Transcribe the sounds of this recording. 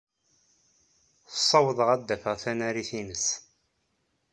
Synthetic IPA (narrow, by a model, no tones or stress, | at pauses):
θə̥sˤːɑwəðˤəʁæd̪ːæfəʁθænæɾiθinəs